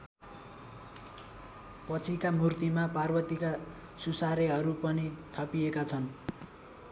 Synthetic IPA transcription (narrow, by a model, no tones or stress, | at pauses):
pʌt͡sʰikamurt̪imaparbʌt̪ika | susaɾeɦʌɾupʌnit̪ʰʌpiekat͡sʰʌn